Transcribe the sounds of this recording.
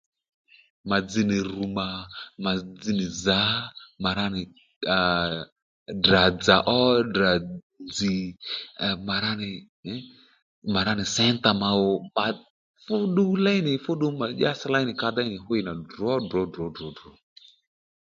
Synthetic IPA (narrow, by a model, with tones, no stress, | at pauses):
ma˨d͡zi˨nɪ˨ɾu˨ma˨ma˨d͡zi˧nɪ˨za˨˦ma˨ɾa˦nɪ˨ | da˨d͡za˨ʔɔ˦da˨ | nd͡zi˨ | ma˨ɾa˦nɪ˨˦ | ma˨ɾa˦nɪ˨sɛ˦nta˨ma˨ɔ˨ma˨ | fʊ˦ɗu˦la˦i˦nɪ˨fʊ˦ɗu˦ma˨ʄa˦sa˦la˦i˦nɪ˨ka˧d̪a˦i˦nɪ˨ɦʊ˦ɪ˨na˨dɔ˦dɔ˨˦dɔ˨˦dɔ˨˦dɾɔ˨˦